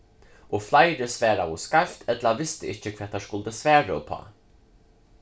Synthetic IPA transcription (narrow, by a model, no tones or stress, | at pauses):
ʔoflɑɪɾəsʋæːɾɑoskɑft̪ʰɛt̪lɑʋɪst̪əʔɪçəkʰʋɛːt̪ɑʃkʊld̪əsʋæːɹəo̰pʰɑ̰ː